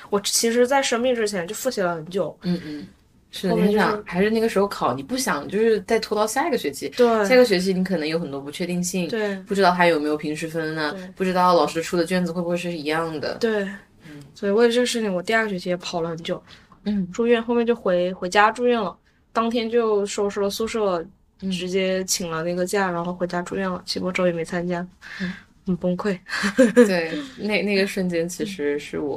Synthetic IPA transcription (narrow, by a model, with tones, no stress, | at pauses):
wɔ˨˩t͡ɕʰi˧˥ʂ̬ɻ̩˧˥t͡sa˥˩ɪʂə˥ŋmi˥˩ʈ͡ʂɻ̩˥t͡ɕʰjɛ˧˥nt͡ɕjo˥˧ʊfu˥˩ɕjɛ˧˥˩lə˧xə˧˥nt͡ɕjo˨˩˦ʊn̩˥˧n̩˥˩ | ʂɻ̩˥˩d̪ə˧m˩nɛ˥i˥˩jɑ˨ŋxa˧˥ɪʂɻ̩˥˧na˥˩ɡə˩ʂɻ̩˧˥xo˥˧ʊkʰɑ˨˩ʊni˨˩pu˥˩ɕjɑ˨˩˦ŋt͡ɕjo˥˧ʊʂɻ̩˥˧t͡sa˥˩ɪt̪ʰu˥t̪ɑ˥˧ʊɕja˥˧i˥ɡə˩ɕɥɛ˧˥ɕi˧˥t̪we˥˩ɪja˥˩i˥ɡə˩ɕɥɛ˧˥ɕ̬i˧˥ni˧˥kʰɤ˨˩nɤ˧˥jo˧˥ʊxə˨˩nt̪wɔ˥pu˧˥t͡ɕʰɥɛ˥˧i˥˧ŋɕi˥˩ŋt̪we˥˩ɪpu˥˩ʈ͡ʂɻ̩˧˥t̪ɑ˥˩ʊa˥jo˨˩me˧˥ɪo˨˩ʊpʰi˧˥ŋʂɻ̩˧˥fə˥nə˨˩e˥˩pu˥˩ʈ͡ʂɻ̩˥t̪ɑ˥˩ʊlɑ˨˩ʊʂɻ̩˥d̪ə˧ʈ͡ʂʰu˥˩d̪ə˩t͡ɕɥɛ˥˩nd͡zɹ̩˨˧we˥˧bu˧xwʂɻɻ̩˥˩i˧˥jɑ˥˩ŋd̪ə̰˩t̪we˥˩ɪ˥ | swɔ˥i˨we˥˩ɪ˧ʈ͡ʂʂɻ̩˥˩ni˩wɔ˨˩t̪i˥˧a˥˩ɡə˩ɕɥt͡ɕʰi˥˩jɛ˧˩˥pʰɑ˨˩ʊlə˦xə˧˥nt͡ɕjo˥˩ʊn̩˥˩ʈ͡ʂu˥˧ɥɛ˥˩˧nxo˥˧mɛ˥˧nt͡ɕjo˥˩ʊxwe˧˥ɪxwe˧˥ɪt͡ɕja˥ʈ͡ʂu˥˧ɥɛ˥˩nlə˩ | t̪ɑ˥ŋt̪ʰjɛ˥nt͡ɕjo˥˧ʊʂo˥˩ʊʂo˥lə˧su˥˧ʂɤ˥˩ | ʈ͡ʂɻ̩˧˥t͡ɕjɛ˥t͡ɕʰi˨˩ŋlə˦na˥˩ɡə˩t͡ɕja˥˩ɻa˧˥nxo˥˩ʊxwe˧˥t͡ɕja˥ʈ͡ʂu˥˧ɥɛ˥˩nlə˩t͡ɕʰi˧˥˧ɔ˥ʈ͡ʂo˧˥ʊjɛ˨˩me˧˥ɪt͡sʰa˥nt͡ɕja˥ | ə˨˩pʊ˥ŋkʰwe˥˩ɪt̪we˥˩ɪne˥˧ɪna˥˩ɡə˩ʂə˥˩nt͡ɕjɛ˥nt͡ɕʰi˧˥ʂɻ̩˧˥ʂɻ̩˥˩wɔ̰˨˩˦